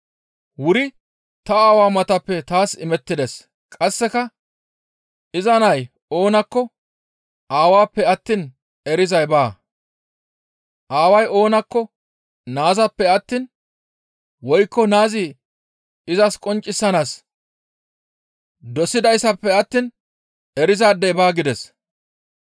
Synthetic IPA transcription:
wʊɾɪ | t̪ɐaːwaːmɐt̪ɐpːɛt̪aːsɪmɛt̪ːɪd̪ɛs | kʼɐsːɛkɐ | ɪzɐnɐj | o̞ːnɐkːɔ | ʔaːwaːpːɛɐt̪ːiːn | ɛɾɪzɐjbaː | ʔaːwɐjo̞ːnɐkːɔ | naːzɐpːɛɐt̪ːiːn | wɔjkːɔnaːzi | ɪzɐskʼɔnt͡ʃʼːɪsːɐnaːs | d̪ɔsɪd̪ɐjsɐpːɛɐt̪ːiːn | ɛɾɪzaːd̪ːɛjbaːɡɪd̪ɛs

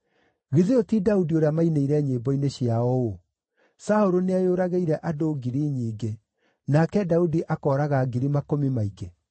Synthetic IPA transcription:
ɣiðiotidaudioɾeamaineiɾɛɲeːbɔineɕjaɔo | saoɾoneajoːɾaɣeiɾɛʔadoɡiɾiɲiːɡe | nakɛdaudiʔakɔːɾaɣaːɡiɾimakomimaiɡe

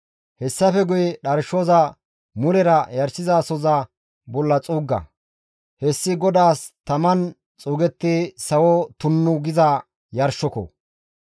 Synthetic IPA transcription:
hɛsːɐfɛɡʊjɗɐɾʃoːzɐ | mʊɾɛɾɐjɐɾsɪzaːsɔzɐ | bɔlːɐt͡sʼuːɡːɐ̰ | hɛsːɪɡɔd̪aːst̪ɐmɐn | t͡sʼuːɡɛt̪ːɪsɐwot̪ʊnːʊɡɪzɐ | jɐɾʃːɔkɔ̰

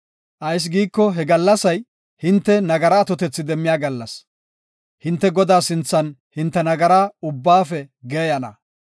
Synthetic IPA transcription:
ʔɐjs̬ɡiːkːɔɦɛɡɐlːɐsɐj | hɪnt̪ːɛnɐɡɐɾaːt̪ɔt̪ɛt͡sːɪd̪ɛmːɪjaːɡɐlːɐs | hɪnt̪ːɛɡɔd̪aːsɪnt͡sːɐnhɪnt̪ːɛnɐɡɐɾaːʊbːaːfɛɡɛjɐnɐ̰

